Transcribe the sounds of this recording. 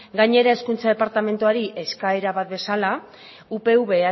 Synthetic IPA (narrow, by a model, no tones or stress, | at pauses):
ɡajɲe̞ɾae̞skunt͡sað̞e̞paɾt̪ame̞nt̪uaɾiʔe̞skae̞ɾaβat̪̚be̞sala | upe̞uβe̞a